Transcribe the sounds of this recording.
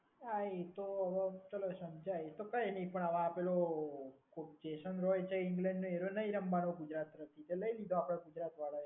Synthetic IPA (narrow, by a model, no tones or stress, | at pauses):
ait̪oəʋət͡ʃəlosəmd͡ʒajt̪okəjenipəɳaʋãːpelokopd͡ʒeʃənɾojt͡ʃʰeɪŋɡlɛ̃ɳɖnoeɾonəiɾəmbanoɡud͡ʒɾat̪ɾət̪ʰit̪eləilid̪oapɽ̃aɡud͡ʒɾat̪ʋaɭa